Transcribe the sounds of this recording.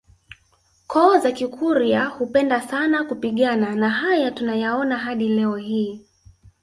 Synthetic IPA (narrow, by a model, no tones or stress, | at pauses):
kɔːzakikʰuɾiahupɛndasanakupiɠananaɦajatunajaɔnaɦaɗilɛɔhiː